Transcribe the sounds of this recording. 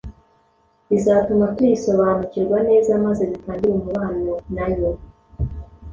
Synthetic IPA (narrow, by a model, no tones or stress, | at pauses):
izaːtumakisoβaːnuciɾɡwanezamazeβitaːndiɾomuβaːnonajo